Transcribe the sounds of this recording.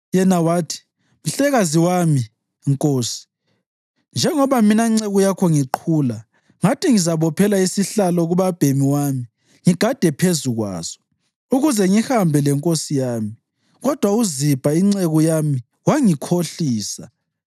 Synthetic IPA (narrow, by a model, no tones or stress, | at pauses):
jɛnawaːtʰi̥ | m̩ɬɛɣaziwami | ŋkʼoːsi̥ | nd͡ʒʱɛŋɔβaminaiŋ͡ǀeɣujakʰɔŋiǃʰuːla | ŋatʰiŋizaβɔpʰɛlaisiɬalɔɣuβab̥ʱemiwami | ŋiɡ̥ʱad̥ʱɛpʰezuɣwa̰ːz̥ɔ̥ | uɣuzɛŋihambʱɛlɛŋkʼosijaːmii | ɣɔd̥ʱwauzib̥ʱaiŋ͡ǀeɣujami | waŋikʰoɬiːsa̰